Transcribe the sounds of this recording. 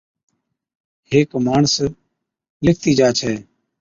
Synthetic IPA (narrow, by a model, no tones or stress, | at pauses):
heːkmaːɳs | lɪk̚ʰt̪iːd͡ʒaːt͡ʃʰɛː